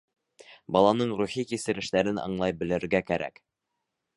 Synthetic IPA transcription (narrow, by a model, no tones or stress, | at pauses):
bɑlˠɑnɤɴɾuχikisɘ̆ɾɘ̆ʃt̪æɾɘnɑ̰ɴlˠɑjbɘ̆lɘ̆ɾɡækæɾæ̰k